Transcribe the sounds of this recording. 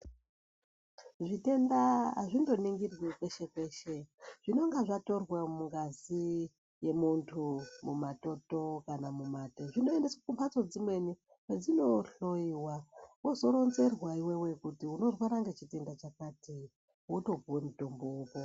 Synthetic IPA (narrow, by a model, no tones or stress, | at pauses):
ʐite̞nda̰ʐindo̞niŋɡirwekweʃe̞kwe̞ːʃe̞ʐ̥ino̞ŋɡaʐato̞rwemuŋɡazi | je̞muntʰumumato̞to̞kanamumateʐino̞endeswakumpat͡so̞d͡zimwe̞ni | ked͡zino̞ɬo̞iwawozo̞ɾo̞nze̞rwaiwewe̞kutiuno̞rwaɾaŋɡet͡ʃite̞ndat͡ʃakati | woto̞b͡vuwemuto̞mbo̞uːpo